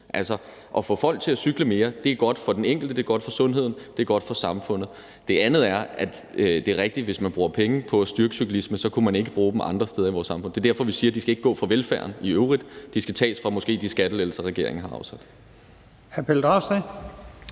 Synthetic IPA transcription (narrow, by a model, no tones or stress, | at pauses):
ʔælsɒ | ʔɒ̽fɔfɒ̽l̰ɡ̥̚t͡sʰe̝æsyɡ̥ləme̝ːɐd̥e̝æɐɡ̥ɒ̽d̥fɒ̽d̥eneŋ̰ɡ̥l̩d̥əd̥e̝ɐɡɒ̽d̥fɒ̽sɔ̽nɦe̝ð̞̰ˠn̩d̥e̝æɐɡ̥ɒ̽d̥fɒ̽sɑ̈mfɔ̽n̰ð̞̩ˠ | d̥e̝ʔænð̞̩ˠæɐʔæd̥ | ød̥e̝æʁɛɡ̥̚d̥iʋe̝smænb̥ʁuːɐpʰeŋəpʰɒ̽æsd̥yɐɡ̥əsyɡ̥lisməsɒ̽kʰumæne̝ɡ̥əb̥ʁuːd̥em̩ʔɑ̈nd̥ʁɐsd̥eðˠɐiʋɒ̰ːsːɑ̈mfɔ̽n̰d̥e̝dæɐfɒ̽ʋisiːɐd̥isɡ̥æe̝ɡ̥əɡɔ̰̽ːfʁɑ̈ʋelfæɐniøʊʁid̥d̥isɡ̥æt͡sʰɛ̰ːsfʁɑ̈mɔ̽sɡ̥e̝̰ːd̥isɡ̥æd̥əlel̩səʁɛɡ̥e̝ɐ̰e̝ŋ̩ɦɑ̈ɑ̈ʊsæd̥ | hæɐpʰeld̥ʁɑʊse